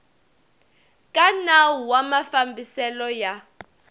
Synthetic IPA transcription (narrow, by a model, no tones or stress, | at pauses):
kʼanawuwamafambisɛlɔja